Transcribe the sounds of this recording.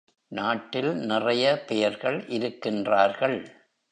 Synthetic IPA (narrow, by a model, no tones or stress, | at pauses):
naːʈːɪlnɪrɐjɐpɛjɐɾɣɐɭʔɪɾɯkːɪndraːɾɣɐɭ